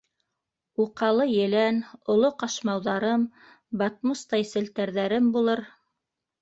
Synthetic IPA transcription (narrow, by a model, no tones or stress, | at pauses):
uqɑlˠɤjɘ̆lænŏlˠoqɑʃmɑwðɑɾɤm | bɑt̪̚must̪ɑjsɘ̆lt̪æɾðæɾɘmbulˠɤɾ